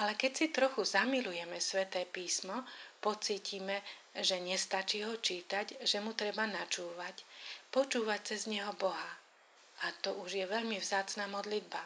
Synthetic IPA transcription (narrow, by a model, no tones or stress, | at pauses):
alɛkɛcsit̪ɾɔxuzamilujɛmɛsʋɛt̪ɛːpiːsmɔpɔt͡siːciːmɛʒɛɲɛst̪at͡ʃiːɦɔt͡ʃiːt̪aɟʒɛmut̪ɾɛbanat͡ʃuːʋacpɔt͡ʃuːʋac̚t͡sɛzɲɛɦɔbɔɦa | at̪ɔuʒjɛʋɛʎmivzaːt͡snaːmɔd̪lid̪ba